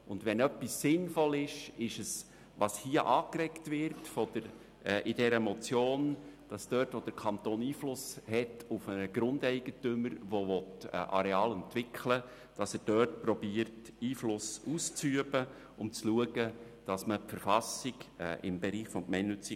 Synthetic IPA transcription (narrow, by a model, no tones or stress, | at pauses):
ʊndʋɛnœpːisːɪnfɔlɪʃɪʃəs | ʋɑshiːəʔɑːkɾɛktʋɪɾtfɔd̥əɾ | ɛːʔɪd̥ɛɾəmɔt͡sjoːnd̥ɑsd̥œːtʋod̥əɾkʰɑntoːniːflʊshɛtʰufənəɡ̥ɾʊndɛɪɡ̥ətʏməɾʋoʋɔtɛʔɑ̰ɾɛɑːlɛntʋɪkʰlə | d̥ɑsəɾd̥œːtpɾɔbiəɾtiːflʊsuːst͡syəbə | ʊmt͡sluəɡə | d̥ɑsməpfəɾfɑsiɡɛ̰ːʔɪmbɛɾiːχfɔmkmɛɪnʏt͡si